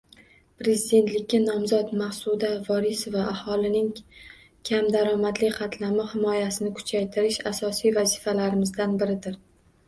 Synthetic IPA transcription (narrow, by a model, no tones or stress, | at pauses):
pɾe̞zid̪e̞nt̪lɪkʲːanɒmzɒt̪mahsud̪avɒɾisovaʔːhɒlˠɪnɪŋ | kʲʰamd̪aɾɒmad̪lɪqʰɑt̪ʰlamɪhɪmɒjasɪnɪkʰʊ̥t͡ʃʰajt̪ʰɪɾɪʃasɒsijvazifalaɾɪmɪzd̪anbɪɾɪd̪ɪɾ